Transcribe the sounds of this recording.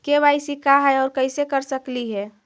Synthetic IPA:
kebaːɪsikaɦɛɔːɾkəɪsekəɾsəkliɦɛː

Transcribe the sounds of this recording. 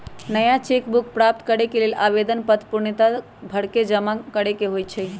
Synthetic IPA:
nəjat͡ʃekbuk̚ʰpɾap̚t̪kəɾekelelʔabed̪ənpət̪puɾɳit̪a | bʱəɽked͡ʒəmakəɽekeɦojt͡ʃʰɛ

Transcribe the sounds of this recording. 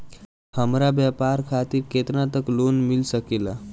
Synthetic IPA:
həmɾabjəpaɾkʰat̪iːɾket̪nat̪əklonmilsəkela

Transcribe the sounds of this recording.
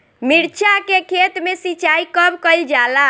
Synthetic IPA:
miɾt͡ʃʰakekʰet̪mesit͡ʃaikəbkəɪld͡ʒala

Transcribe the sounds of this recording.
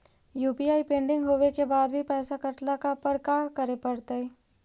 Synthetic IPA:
juːpiaːipẽːɳɖɪ̃ŋɡɦoːʋekebaːd̪bʱipɛːsakɐʈlakapəɾkaːkəɾepɐɾt̪aɦɛː

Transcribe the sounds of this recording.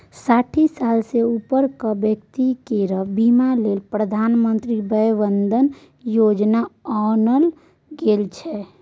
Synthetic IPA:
saʈʰisalseupəɾkəbjəkt̪ikeɾəbimalelpɾəd̪ʱanmənt̪ɾibəjʋənd̪ʱən | jod͡ʒnaɔnəl | ɡelt͡ʃʰɛ

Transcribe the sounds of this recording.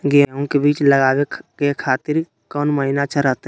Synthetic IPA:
ɡeũkebiːt͡ʃləɡaːwekekʰaːt̪ɪɾ | kɔːnməɦɪnat͡ʃʰəɾət̪

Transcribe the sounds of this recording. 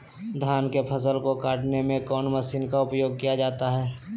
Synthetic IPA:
d̪ʱaːnkepʰəsəlkokaːʈnemẽkɔːnməsiːnkaʊpjoːɡ̚kijad͡ʒaːt̪aɦɛː

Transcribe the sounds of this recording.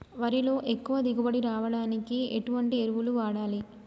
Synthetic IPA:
ʋɐɾilo̞ːʔe̞kːuʋɐd̪iɡubɐɽiɾaːʋɐɽaːnikiḛʈuʋɐɳʈieɾuʋuluʋaːɽaːli

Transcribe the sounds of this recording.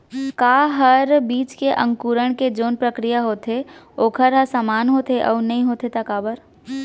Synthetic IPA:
kaːɦəɾbiːt͡ʃkeʔə̃ŋkuːɾəɽ̃ked͡ʒoːnpɾəkɾijaɦoːt̪eoːkʰəɾɦasaːmaːnɦoːt̪eʔɔ̰ːnɐɦĩɦoːt̪et̪ɐkaːbəɾ

